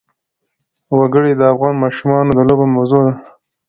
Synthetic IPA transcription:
waɡəɽed̪əafɣɑnmɑʃumɑnod̪əlobemawzod̪a

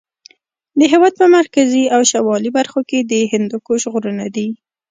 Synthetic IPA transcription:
d̪əɦewɑd̪̚pəmaɾkaziawʃawɑlibaɾxoked̪əɦɪnd̪ʊkoʒɣoɾənad̪i

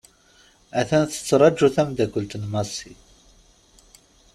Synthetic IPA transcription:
æθænθə̥t͡sːɾˤɑd͡ʒːuθæmd̪ækʷəlt̪nmɑsi

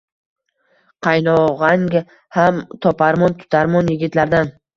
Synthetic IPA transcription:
qʰɑjnɒʁaŋɡʲ | hamt̪ʰɒpʰaɾmɒnt̪ʰʊ̥t̪ʰaɾmɒnjɪɡʲɪt̪laɾd̪an

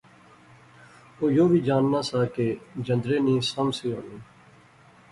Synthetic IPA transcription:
oːjoːʋiːd͡ʒaːnːaːsaːkeːd͡ʒə̃nd̪ɾeːnĩːsəmsiːɦo̰ːneː

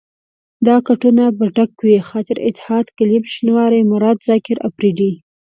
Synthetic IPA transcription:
d̪ɑkaʈunabaɖakːwixɑt̪ɪɾɪ̰t̪ːɪ̥hɑd̪kalibʃinwɑɾimʊɾɑd̪zɑkɪɾapɾiɖi

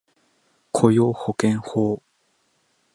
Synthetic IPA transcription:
kʰojoːhokẽŋhoː

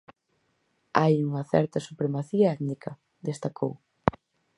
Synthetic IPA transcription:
ajuŋɐθɛ̰ɾt̪ɐsupɾemaθiɐɛd̪nikʰɐ | d̪est̪akʰo̰w

